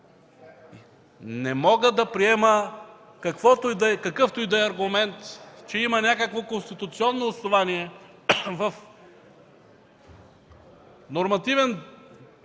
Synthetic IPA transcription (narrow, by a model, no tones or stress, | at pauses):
nɛmɔɡəd̪ɐpɾiɛmə | kɐkvɔt̪ojd̪ɐɛkɐkɤft̪ʊjid̪ɐɛɐɾɡʊmɛnt̪t͡ʃɛimɐnʲakəkvokonst̪it̪ʊt̪siɔnːoːsnovaniɛ | vɐf | noɾmɐt̪ivɛn